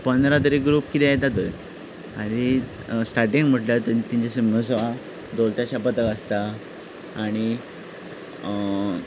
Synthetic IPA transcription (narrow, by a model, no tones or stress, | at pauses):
pənd̪ɾat̪əɾeɡɾuːpkit̪ejt̪at̪ə | aɾ̃i | sʈaɾʈĩŋɡm̤əʈljat̪ət̪iɲt͡ɕasəməs̬ʋa | d̪olt̪jaɕapət̪əkəst̪aː | ɽ̃i